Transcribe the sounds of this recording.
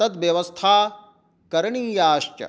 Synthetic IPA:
ɐt̪ʋjɐʋɐst̪ʰaː | kɐɾɐɳiːjaːʃt͡ʃɐ̰

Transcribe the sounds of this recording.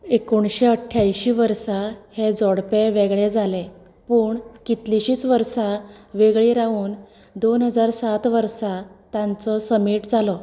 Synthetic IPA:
ekuɳɕeəʈʰjajɕiːʋəɾsahed͡zɔɽpeʋeɡɭed͡zʱale | puːɳkit̪liɕiːt͡sʋəɾsaʋeɡɭiɾauːn | d̪onɦəd͡zaɾsat̪ʋəɾsat̪jãnt͡sɔsəmiʈd͡zalɔ

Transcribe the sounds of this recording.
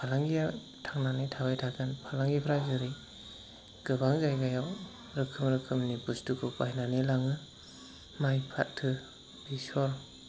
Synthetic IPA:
pʰalaŋɡija | tʰaŋnanitʰabajtʰakɯnpʰalaŋɡipʰɾazɯɾi | ɡ̥ɯbaŋzajɡajaw | ɾɯkʰɯmɾɯkʰɯmnibustukʰɯpajnanelaŋɯ | majpʰa̰t̚tʰɯ | bisɔɾ

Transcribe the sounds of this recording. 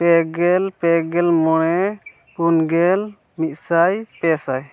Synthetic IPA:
pɛɡɛlpɛɡɛlmɔɽ̃ɛ | ɡunɡɛl | mit̪̚ˀsajpɛsaj

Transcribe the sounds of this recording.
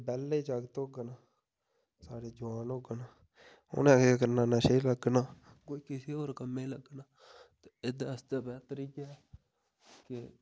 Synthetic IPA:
bɛːlːeiːd͡ʒaːɡt̪oːɡnaː | saːɽeːd͡ʒʊʋaːnoːɡnaː | ʊ̰nẽːkeːkəɾnaːnaːʃeiːləɡnaː | koːiːkɪseːoːɾkəmːẽːləɡnaː | t̪eɪd̪eːəst̪aːbɛːt̪əɾiːɡaː | kɪ

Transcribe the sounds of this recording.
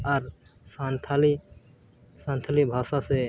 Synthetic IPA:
aɾsaːnt̪ʰali | sãːnt̪ʰalibʱaːsase

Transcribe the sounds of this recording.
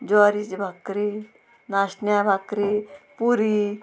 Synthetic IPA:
d͡ʒɔɾit͡ʃibʱakɾi | nasnjabʱakɾipuɾi

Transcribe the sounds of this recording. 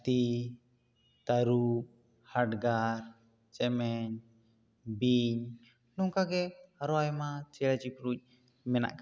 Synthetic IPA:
t̪i | t̪aɾup̚ | haʈɡaɾ | t͡ʃɛmɛɲ | biɲ | nɔŋkaɡɛaɾɔajmat͡ʃɛɽat͡ʃipɾuc̚ˀ | mɛna̰ʔk

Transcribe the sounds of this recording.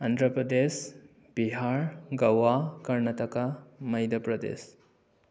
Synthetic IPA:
ɐnd̪ɾəpɾəd̪es | b̥iɦaɾɡɐwakɐɾnat̪ɐkamɐjd̪ɐpɾɐd̪ḛs

